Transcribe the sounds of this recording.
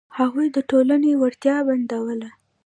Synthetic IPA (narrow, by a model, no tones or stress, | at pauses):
haɣujd̪əʈolanewaɾt̪jɑband̪awəla